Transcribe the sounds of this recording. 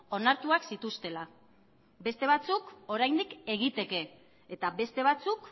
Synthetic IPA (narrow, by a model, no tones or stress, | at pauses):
o̞naɾt̪uaksit̪ust̪e̞la | be̞st̪e̞β̞at͡suko̞ɾajnd̪ike̞ɣ̞it̪e̞ke̞ː | t̪aβe̞st̪e̞β̞at͡suk